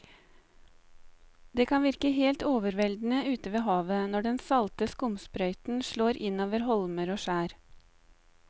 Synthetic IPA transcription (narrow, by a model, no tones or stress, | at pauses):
d̪eːkʰɑnʋɪɾkəɦeːlt̪oːʋəɾʋɛld̪n̩əʉːt̪əʋeːɦɑːʋənɔɖɛnsɑlt̪əskʊmspɾœʏt̪n̩ʃɭoːɾʔɪnoːʋəɾɦɔlməɾoːʃæːɾ